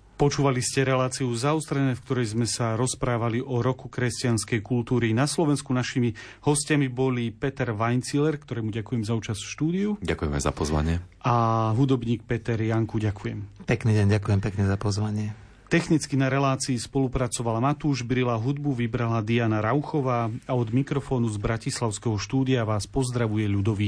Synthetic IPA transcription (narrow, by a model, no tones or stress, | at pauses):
pɔt͡ʃuːʋaliscɛɾɛlaːt͡siuzaust̪ɾɛnɛːfkt̪ɔɾɛjzmɛsaɾɔspɾaːʋaliʔɔɾɔkukɾɛscɪanskɛjkult̪uːɾinaslɔʋɛnskunaʃimi | hɔscamibɔlipɛt̪ɛɾʋajnt͡silɛɾkt̪ɔɾɛjmuɟakujɛmzauːt͡ʃasfʃt̪uːd̪iuɟakujɛmɛ̰za̰pɔzʋa̰ɲɪɛʔaɦud̪ɔbɲiːk̚pɛt̪ɛɾjaŋkuɟakʰujɛmpɛkniːɟɛɲɟakujɛmpɛkɲɛzapɔzʋaɲɪɛ | t̪ɛxnit͡skinaɾɛlaːt͡siːspɔlupɾat͡sɔʋalamat̪uːʒbɾilaɦud̪buʋibɾalad̪ianaɾawxɔʋaːaɔd̪mikɾɔfɔːnuzbɾacislaʊskɛɦɔʃt̪uːd̪ijaʋaːspɔzd̪ɾaʋujɛʎud̪ɔʋi